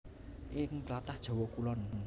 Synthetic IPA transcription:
ʔɪŋt̪lat̪ahd̥ʒ̥ɔ̤wɔkulɔn

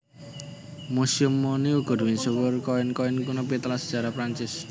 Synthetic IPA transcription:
musiʊmːoniuɡ̥ɔ̤d̥uwɪnsəwərkɔɪnkɔɪnkunɔpit̪əlasə̥ʒ̥a̤ɾapɾaɲt͡ʃɪs

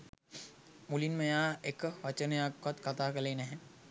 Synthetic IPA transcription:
mulinmẽjaːekʋɐt͡ʃənjaːkɐt̪kɐt̪aːkɐleːnɛɦɛ̃

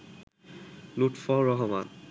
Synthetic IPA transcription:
luʈfɔɹɔɦɔma̰n

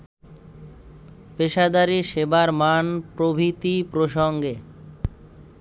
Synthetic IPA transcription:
peʃad̪aɾiʃebaɾmanpɾobʱit̪ipɾoʃoŋɡe

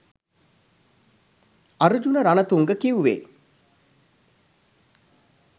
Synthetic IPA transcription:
aɾud͡ʒunəɾanət̪uŋɡəkiuʋḛː

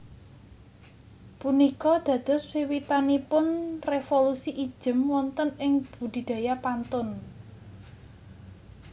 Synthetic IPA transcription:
punikɔd̪̥ä̤d̪̥ʊ̤swiwit̪anipʊnrefolusiʔi̥ʒ̥ə̤mwɔnt̪ənɪŋb̥ṳd̪̥i̤d̪̥a̤japant̪ʊn

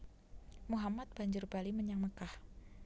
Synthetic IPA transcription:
muɦamat̪̚b̥aɲd͡ʒʊrbaliməɲaŋməkah

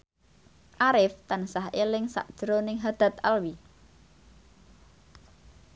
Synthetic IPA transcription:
ʔaɾɪft̪ansaɦelɪŋsa̰ʔd̥ʒ̥ɾonɪŋɦad̪̥a̤t̪alwi

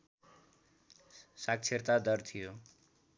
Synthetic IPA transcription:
sak̚t͡sʰeɾt̪ad̪ʌɾt̪ʰijo

